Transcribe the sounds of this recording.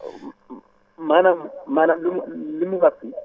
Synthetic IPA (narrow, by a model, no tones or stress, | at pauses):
manamanalɪmlɪmuβafi